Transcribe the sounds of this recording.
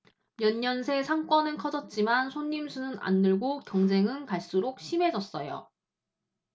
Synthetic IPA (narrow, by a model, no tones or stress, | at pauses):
mjʌɲːʌnsʰe̞sʰaŋk͈wʌnɯnkʰʌd͡ʑʌt̚t͡ɕ͈imansʰoɲːimsʰunɯna̰nːɯɭɡokjʌŋd͡ʑe̞ŋɯnkaɭs͈uɾok̚ɕʰime̞d͡ʑʌs͈ʌjo̰